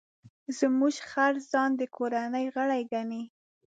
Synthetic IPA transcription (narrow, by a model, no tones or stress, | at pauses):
zmuʒxaɾzɑnd̪əkʰoɾanəjɣəɽajɡani